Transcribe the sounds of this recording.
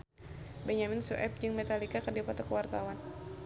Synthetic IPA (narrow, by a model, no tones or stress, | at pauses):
bɛɲaminsuʔɛp̚d͡ʒɨŋmɛt̪alikakərdiapat̪akəwart̪awan